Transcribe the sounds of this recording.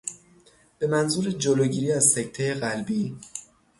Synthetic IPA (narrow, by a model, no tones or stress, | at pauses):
b̥e̞mænzuːɾed͡ʒoloɟiːɾiːæzsecʰt̪ʰejeɣælbiː